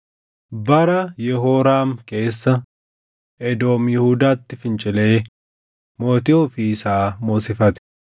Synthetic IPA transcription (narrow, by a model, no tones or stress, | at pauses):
bɐɾɐjɛɦoːɾaːmke̞ːsːɐ | ʔɛd̪o̞ːmjɛhud̪aːt̪ːɪfɪnt͡ʃʼɪle̞ː | moːt̪ɪofiːsaːmoːsɪfɐt̪ɛ̥